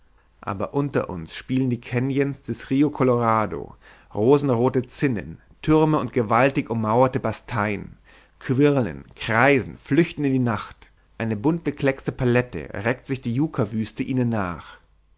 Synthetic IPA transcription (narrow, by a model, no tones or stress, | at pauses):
ʔa̰ːbɐʔʊntɐ̰ʔʊ̰nsʃpiːləndiːkʰɛnjənsd̥ɛsʁiːokʰɔloʁaːdo̰ | ʁoːzn̩ʁoːtət͡sɪnə̰n | tʰʏʁməʊntɡ̥əvaltɪçʊmːaʊɐtəbastʰaɪn | kʰv̥ɪʁlə̰nkʁ̥aɪzn̩flʏçtn̩ɪndiːnaχt | ʔaɪnəbʊnt̚b̥əkʰl̥ɛkstəpʰalɛtə̰ʁɛk̚tz̥ɪçd̥iːjuːkʰavyːstəʔiːnənːa̰ːχ